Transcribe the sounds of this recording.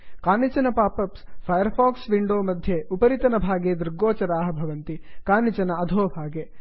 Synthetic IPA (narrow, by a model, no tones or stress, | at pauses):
kaːnit͡ʃɐnɐpaːpɐpspʰɐjɐɾpʰaːksʋiɳɖoːmɐd̪ʱjeupɐɾit̪ɐnɐbʱaːɡeːd̪iɾɡoːt͡ʃɐɾaːɦɐ̆bʱɐʋɐnt̪ikaːnit͡ʃɐnɐɐd̪ʱoːbʱaːɡeː